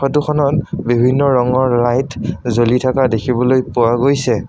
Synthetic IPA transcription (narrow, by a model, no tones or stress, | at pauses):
ɔtukʰɔnɔtbibʱinːɔɹɔŋɔɹlajtʰzolitʰakadekʰibɔlojpʊwaɡojsɛ